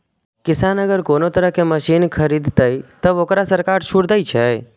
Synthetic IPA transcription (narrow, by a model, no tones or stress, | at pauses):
kɪsaːnəɡəɾkoːnot̪əɾəɦkeməʃiːnkʰəɾid̪t̪əit̪əboːkɾasəɾkaːɾʃuɽd̪əit͡ʃʰɛ